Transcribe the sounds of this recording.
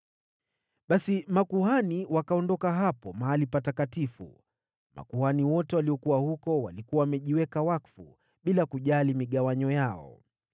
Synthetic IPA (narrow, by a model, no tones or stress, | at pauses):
ɓasimakuɦaniwakaɔndɔkaɦapɔmaɦalipatakatifṵ | ma̰kuhaniwɔtɛwaliɔkuwahukɔwa̰likuwawmɛʄiwɛkawakfṵ | ɓilakuʄalimiɠawaɲɔjaɔ̰